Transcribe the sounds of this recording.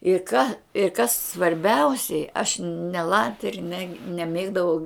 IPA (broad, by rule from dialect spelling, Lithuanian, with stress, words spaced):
ɪr ˈkɑː ɪr kɐs sʋɐrʲˈbʲɛʊsʲɛɪ ɐʃ nʲɛ ˈlˠɑːtʲrʲɪ nʲɛ nʲɛˈmʲeːɡdɐʋɐʊ